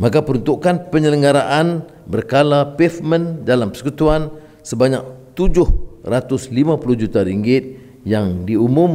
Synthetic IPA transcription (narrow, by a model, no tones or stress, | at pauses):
makapəɾunt̪uʔkanpəɲələŋɡaɾaʔan | bərkalapɛfmə̃ndalampə̥sə̥kut̪uan | səbaɲa̰k̚t̪ud͡ʒʊhrat̪ʊslimãpulʊhd͡ʒut̪aɾiŋɡɪt̪̚ | jaŋdiumũm